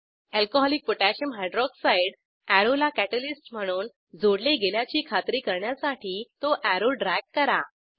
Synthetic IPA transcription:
ælkoɦɔlik̚poʈæɕəmɦajɖɾɔɡsaiɽ | æɾolakæʈəlisʈm̤əɽ̃uːn | d͡zoɽleɡeljat͡ɕiːkʰat̪ɾiːkəɾɳjasaʈʰiːt̪oʔæɾoɖɾækːəɾa

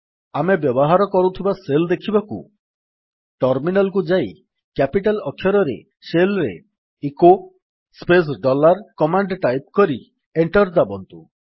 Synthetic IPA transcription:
amebjɔbɔɦaɾɔkɔɾut̪ʰibaseld̪ekʰibakṵ | ʈɔɾminalkud͡ʒaj | kɛpiʈalɔkʰjɔɾɔɾḛ | selɾḛ | iko | spes̬ɖɔlaɾkɔmaɳɖʈajp̚kɔɾi | eɳʈɔɾd̪abɔnt̪u

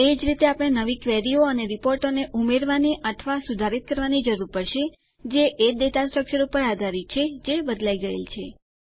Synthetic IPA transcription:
ed͡ʒɾit̪eapɽ̃enəʋikʋɛɾioəneɾipoɾʈoneʔumeɾʋaniʔət̪ʰʋasud̪ʱaɾit̪̚kəɾʋanid͡ʒəɾuɾpəɾʃe | d͡ʒeʔed̪et̪asʈɾək̚t͡ʃəɾupəɾad̪ʱaɾit̪ːt͡ʃʰed͡ʒebəd̪laiɡəḛlt͡ʃʰe

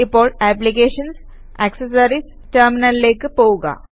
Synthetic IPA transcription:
ipɔːɾʈæp̬likeːʂɐns | ekses̬aɾis | ʈəːɾminɐlːeːkɨpoʋuɡa̰

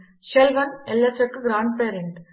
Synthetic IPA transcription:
ʃɛlʋɐnɛlːɐt͡ʃːɐkːɯɡɾaːɳɖ̚peːɐɾɪɳɖ

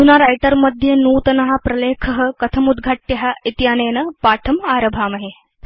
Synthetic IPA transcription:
t̪unaɾajʈɐɾmɐd̪ʱjenuːt̪ɐnɐɦapɾɐleːkʰɐɦəkɐt̪ʰɐmud̪ɡʱaʈjɐɦaʔit̪jaːneːnɐpaːʈʰɐmaːɾɐbʱaːmɐɦe

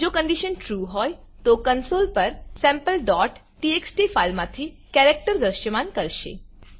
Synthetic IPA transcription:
d͡ʒokə̃ɳɖiʃənʈɾuːɦɔːj | t̪okənsolpəɾsɛ̃mpəlɖɔʈːieksʈifalmãt̪ʰiː | kɛɾek̚ʈəɾd̪ɾəʃəmankəɾʃḛ

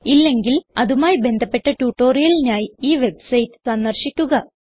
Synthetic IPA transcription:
ilːe̞ŋɡilɐðumaːjibe̞nd̪ʱɐpːe̞ʈːɐʈuːʈːo̞ːrijɐlinaːjiiːʋe̞bsɐjtːɨ̥sɐnːɐrɕikʲːuɣɐ

